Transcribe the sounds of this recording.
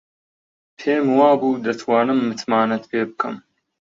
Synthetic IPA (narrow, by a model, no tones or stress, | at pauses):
pʰeːmɨwaːbuːd̪ɐt̪ʰwaːnɨmːɨt̪maːnɐt̪pʰeːbɨkʰɐ̰m